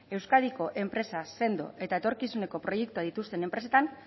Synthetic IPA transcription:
e̞wskað̞iko̞ʔe̞mpɾe̞sase̞nd̪o̞̰e̞t̪aet̪o̞ɾkisune̞ko̞pɾo̞je̞k̚t̪uaðit̪ust̪e̞ne̞mpɾe̞se̞t̪an

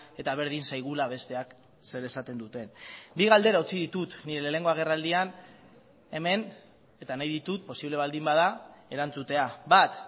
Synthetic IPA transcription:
e̞t̪aβ̞e̞ɾðinsajɣ̞ulaβ̞e̞st̪e̞ak | se̞ɾe̞sat̪e̞nd̪ut̪e̞nbiɣald̪e̞ɾaut͡siðit̪ut̪niɾe̞lele̞ŋɡo̞aɣ̞e̞rald̪ian | e̞me̞n | e̞t̪anajðit̪ut̪̚po̞siβle̞β̞ald̪imbaðae̞ɾant͡sut̪e̞abat̪

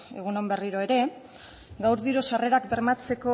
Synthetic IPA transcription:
eɣ̞uno̞mbe̞riɾo̞e̞ɾe̞ | ɡawɾðiɾusare̞ɾakbe̞ɾmat͡se̞ko̞

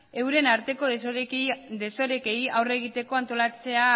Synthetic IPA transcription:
e̞wɾe̞naɾt̪e̞ko̞ | d̪e̞so̞ɾe̞ke̞ijawre̞ɣit̪e̞ko̞ant̪o̞lat͡se̞a

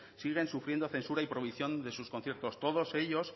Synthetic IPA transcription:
siɣ̞e̞nsufɾje̞nd̪oθe̞nsuɾaipɾo̞β̞iθjo̞nd̪e̞suskonθje̞ɾt̪o̞st̪o̞ðo̞se̞ʎo̞s

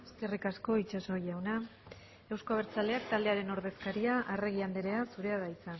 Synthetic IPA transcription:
eskerikasko̞it͡ʃaso̞jʝawna | e̞wsko̞aβeɾt͡sald̪e̞ak̚t̪ald̪e̞aɾe̞no̞ɾðe̞skaɾiaʔare̞ɣ̞iand̪eɾe̞asuɾe̞aðajt͡sa

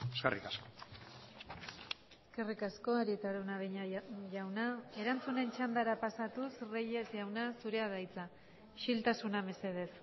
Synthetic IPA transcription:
eskḛrḭkasko̥ | eske̞rikasko̞aɾiet̪aɾunaβeɲaʝawnae̞ɾant͡sune̞nt͡ʃand̪aɾapasat̪usreʎe̞sʝawnasuɾe̞aðajt͡sa | ʃilt̪asuname̞se̞ð̞e̞s

